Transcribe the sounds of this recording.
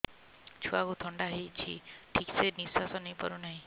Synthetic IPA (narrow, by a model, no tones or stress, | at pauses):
t͡ʃʰuaɡut̪ʰɔɳɖaɦejt͡ʃʰḭʈʰikseɾnisasɔnejpɔ̰ɾunaɦĩ